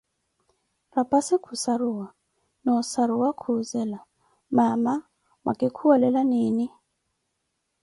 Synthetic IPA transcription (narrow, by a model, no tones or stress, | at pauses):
rapʼasikʰusaɾuwa | nɔsaɾuwakʰuzɛla | mama | mʔa̰kʼikʰuwalɛlaniːni